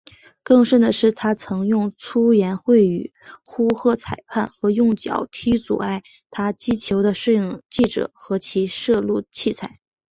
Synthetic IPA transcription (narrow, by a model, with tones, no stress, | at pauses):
kɤ˥˧ŋʂə˥˩nd̪ə˩ʂɻ̩˥˩t̪ʰa˥t͡sʰɤ˧˥ŋjʊ˥˩ŋt͡sʰu˥jɛ˧˥nxwe˥˩ɪy̰˨˩ | xu˥xɤ˥˩t͡sʰa˨˩ɪpʰa˥˩nxɤ˧˥jʊ˥˩ŋt͡ɕjɑ̰˨˩ʊt̪ʰi˥t͡sṵ˨˩a˥˩ɪ | t̪ʰa˥t͡ɕi˥t͡ɕʰjo˧˥ʊɾə˧ʂɻ̩˥˩jŋt͡ɕi˥˩ʈ͡ʂɤ̰˨˩˦xɤ˧˥t͡ɕʰi˧˥ʂɤ˥˧lu˥˧t͡ɕʰi˥˩t͡sʰa˨˩˦ɪ